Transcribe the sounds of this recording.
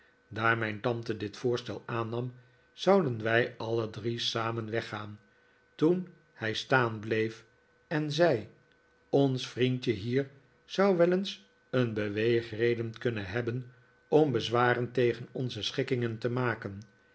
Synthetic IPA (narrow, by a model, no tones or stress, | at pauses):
daːɹmɛjntɑntədɪtfʊːɹstɛlˠaːnɑm | z̥ʌwdənʋɛjɑlədrisaːmənʋɛχaːn | tun | hɛjstaːnblejf | ɛnzɛj | ɔnsfrintəɦiːɹ | z̥ɑwʋɛləns | ənbəʋejχrejdənkɵnənɦɛbən | ɔmbəzʋaːrəntejχənɔnzəsχɪkɪŋəntəmaːkən